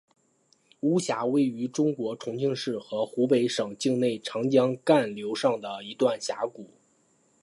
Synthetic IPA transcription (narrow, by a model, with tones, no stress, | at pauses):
u˧˥ɕja˧˥we˥˩ɪy˧˥ʈ͡ʂʊ˥ŋkwɔ˧˥ʈ͡ʂʰʊ˧˥ŋt͡ɕi˥˧ŋʂɻ̩˥˩xɤ˧˥xu˧˥pe˧˥ɪʂɤ˨˩ŋt͡ɕi˥˧ŋne˥˩ɪʈ͡ʂʰɑ˧˥ŋt͡ɕjɑ˥ŋka˥˩nljo˧˥ʊʂɑ˥˩ŋd̪ə˩i˧˥t̪wa˥˩nɕja˧˥ku˨˩˦